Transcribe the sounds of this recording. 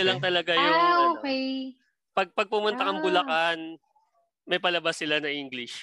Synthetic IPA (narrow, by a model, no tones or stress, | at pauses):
ɐlɐŋt̪ɐlɐɡajooːkɛj | pɐɡ̚pɐɡ̚pʊmʊnt̪akɐŋbʊlɐkan | mɐjpɐlɐbasːɪlanɐʔiŋɡlɪʃ